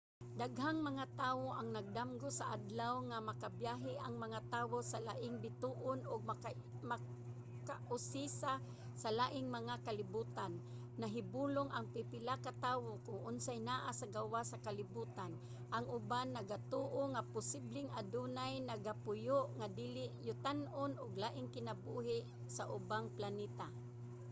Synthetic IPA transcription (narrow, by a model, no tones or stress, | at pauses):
d̪aɡɦaŋmaŋat̪aːwoʔaŋnaɡ̚d̪amɡosaʔad̪lawŋamakabjaɦɪʔaŋmaŋat̪aːwosalaʔɪŋbɪt̪uʔʊnʊɡ̚ | ma | kaʔʊsisa | salaːʔɪŋmaŋakalɪbuːt̪anː | aɦɪbuːloŋaŋpɪpɪlakat̪aːwokʊŋʔʊnsajnaːʔasaɡawasakalɪbuːt̪an | ʔaŋʔʊbanːɐɡat̪uːʔoŋapʊsɪblɪŋad̪unajnaɡapʊjʊʔŋad̪iːlɪʔjʊt̪anʔʊnʔʊɡlaːʔɪŋkɪnabuːɦɪʔ | saʔʊbaŋplanɛːt̪a